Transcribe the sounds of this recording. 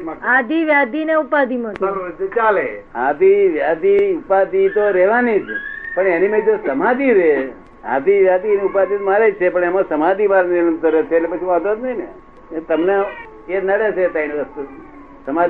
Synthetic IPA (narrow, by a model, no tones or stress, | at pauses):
ad̪ʱiʋjad̪ʱineupad̪ʱimaət͡ʃalead̪iʋjad̪ʱiupad̪it̪oɾɛʋanid͡ʒpəɳenimãd͡ʒosəmad̪iɾe | a̰d̪iʋjad̪ʱineupad̪it̪maɾed͡ʒt͡ʃʰepəɳemãsəmad̪ʱimaɾnɪɾənt̪əɾet͡ʃʰetlepət͡ʃʰimad̪ot̪nəine | et̪əmne | eɾnaɽet͡ʃʰet̪ainʋəst̪u | səma